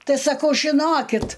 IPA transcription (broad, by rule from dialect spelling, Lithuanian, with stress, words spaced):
ˈtɐɪ sɐˈkɐʊ ʒʲɪˈnoːkʲɪt